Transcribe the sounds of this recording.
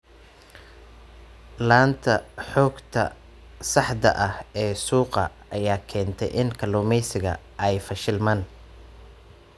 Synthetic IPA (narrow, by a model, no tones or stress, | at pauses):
laːnt̪ʰɐħɔːɡt̪ʰɐ̰ | sɑħd̪ɐ̰ʔɐhɛːsuːqɐ | ɐjaːkʰɛːnt̪ʰɛ̰jʔɪnkʰɐlɔːmɛjsɪɣɐ̰ | ʔɛjfɐʃɪlmɐːn